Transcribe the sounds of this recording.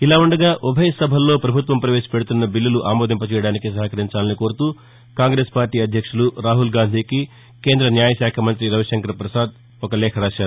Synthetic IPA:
ilaːuɳɖɐɡaːʔɔbʱɐjɐsɐbʱɐlːo̞ːpɾɐbʱut̪ʋɐmpɾɐʋe̞ːʂɐ̥pe̞ɽut̪unːɐbilːɐluʔaːmoːd̪ʱimpɐt͡ʃɛːjɐɽaːnikisɐɦɐkɐɾiɲt͡ʃaːlɐniko̞ːɾut̪uː | kaːŋɡɾe̞ːspaːɾʈiːɐd̪ʱjɐkʂuluɾaːɦulɡaːnd̪ʱiːki | ke̞ːnd̪ɾɐnjaːjɐʃjaːkʰɐmɐnt̪ɾiɾɐʋɐʃɐŋkɐɾpɾɐsaːd̪̚ | ɔkɐlɛːkʰɐɾaːʃaːɾ

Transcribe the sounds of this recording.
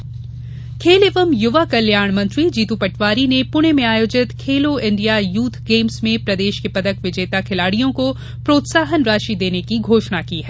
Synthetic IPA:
kʰeːlɪʋəmjʊʋakɐljaːɽ̃mɐ̃nt̪ɾid͡ʒiːt̪upɐʈʋaːɾinepʊɽ̃emẽaːjoːd͡ʒɪt̪kʰeːloɪ̃ɳɖijajuːt̪ʰɡeːmsmẽpɾɐd̪eːʃkepɐd̪əkʋɪd͡ʒeːt̪akʰɪlaːɽijõko | pɾoːt̪saːɦənɾaːʃid̪eːnekiɡʱoːʃɳakiːɦɛː

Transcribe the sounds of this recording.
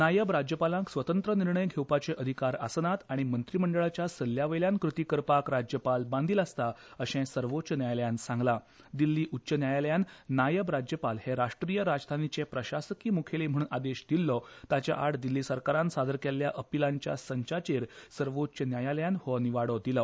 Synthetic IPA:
najəbɾad͡ʑjəpalãŋksʋət̪ənt̪ɾəniɾɳəjɡʱewpat͡seʔəd̪ʱikaɾasənat̪aɽ̃imənt̪ɾiːməɳɖəɭat͡ɕjasəlːjaʋəjljãnkɾut̪iːkəɾpakɾad͡ʑjəpalbãnd̪ʱiːlast̪aəɕɛ̃səɾʋotːt͡ɕənjajaljansãŋɡla | d̪ilːiːʔutːɕənjajaljanːajəbɾad͡ʑjəpalheɾaʂʈɾijəɾad͡zd̪ʱanit͡ɕepɾəɕasəkiːmukʰelem̤əɽ̃unad̪eɕd̪ilːɔt̪at͡ɕja̰ʔaɽd̪ilːiːsəɾkaɾãnsad̪əɾkeljaʔəpilãɲt͡ɕja̰səɲt͡ɕat͡ɕeɾsəɾʋotːt͡ɕənjajaljanhɔniʋaɽɔd̪ilə

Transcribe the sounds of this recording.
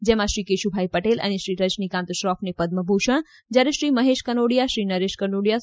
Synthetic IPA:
d͡ʒɛmãʃɾikeʃubʱajpəʈelə̰neʃɾiɾəd͡ʒnikãnt̪ʃɾɔfnepəd̪məbʱuʃəɳ̃ | d͡ʒjaɾeʃɾiməɦeʃkənoɽijaʃɾiːnəɾeʃkənoɽija

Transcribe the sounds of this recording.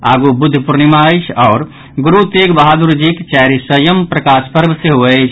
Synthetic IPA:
aɡubud̪ʱːpuɾnimajt͡ʃʰɔːɾ | ɡuɾut̪eɡbəɦad̪uɾd͡ʒikt͡ʃaɾisəjəmpɾəkaspəɾbʱseɦoɛt͡ʃʰ

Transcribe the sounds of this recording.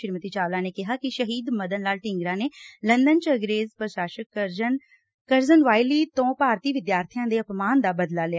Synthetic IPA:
ɪɾmət̪iːt͡ʃaːlãːneːkɪɦaːkɪʃəɦiːd̪məd̪ənlaːlʈɪ̃ŋɡɾãːneːlənd̪ənt͡ʃəɡɾeːzpəɾʃaːʃəkn | kəɾzənʋaːiliːt̪õːpaːɾt̪iːʋɪd̪jaːɾt̪ʰijãːd̪eːəpmaːnd̪aːbəd̪laːlɪa

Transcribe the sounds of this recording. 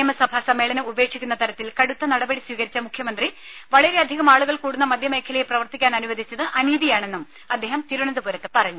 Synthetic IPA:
eːmɐsɐbʱasɐmːe̞ːɭɐnɐuʋe̞ːkʂikʲːunːɐt̪ɐɾɐt̪ːilkɐɽut̪ːɐnɐɽɐbɐɽisʋiːɣɐɾit͡ɕːɐmukʰjɐmɐnd̪riʋɐɭɐɾe̞ɐd̪ʱiɣɐmaːɭuɣɐɭkuːɽunːɐmɐd̪ʱjɐme̞ːkʰɐlɐjeprɐʋɐrt̪ikʲːaːnɐnuʋɐd̪ʱit͡ɕːɐðɨʔɐniːðijaːɳe̞nːum | ɐd̪ʱːe̞ːɦɐmt̪iɾuɳɐnd̪upuɾɐt̪ːepɐrɐɲːu

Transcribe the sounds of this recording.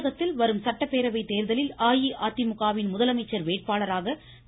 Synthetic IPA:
ɣɐt̪ːɪlʋɐɾɯmsɐʈːɐpːeːɾɐʋɐɪt̪ːeːɾðɐlɪlaːjiʔaːt̪ːɪmʊɣaːʋɪnmʊðɐlɐmɐɪt͡ʃːɐɾʋeːʈ̚paːɭɐɾaːɣɐ

